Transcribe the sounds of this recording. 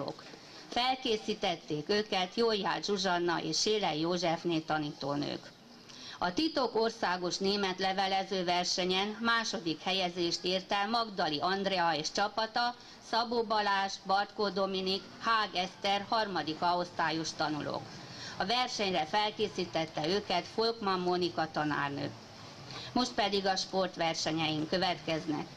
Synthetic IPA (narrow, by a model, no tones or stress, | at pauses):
o̰ːk | fɛlkeːsiːt̪ɛt̪ːeːkøːkɛt̪joːja̰ːʒuʒɒnːɒ̰ʔḛːʃʃeːlɛjjoːʒɛfneːt̪ɒniːt̪o̰ːnø̰ːk | ɒt̪it̪o̞korsaːɡo̞ʃneːmɛt̪lɛvɛlɛzøːvɛrʃɛɲɛnmaːʃo̞d̪ikhɛjɛzeːʃt̪iːrt̪ɛmɒɡd̪ɒliʔɒnd̪rɛɒeːʃt͡ʃɒpɒt̪ɒ | sɒbobɒlaːʒbɒrt̪koːd̪o̞minik | haːɡɛst̪ɛrhɒrmɒd̪ikɒost̪aːjo̞ʃt̪ɒnṵlʔo̰ːk | ɒvɛrʃɛɲrɛfɛlkeːsiːt̪ɛt̪ːɛøːkɛt̪folkmɒmːo̞nikɒt̪ɒna̰ːrnø̰ː | mo̞ʃt̪̚pɛd̪iɡɒʃpo̞rt̪ʋɛrʃɛɲɛjiŋkø̞vɛt̪kɛznɛ̰k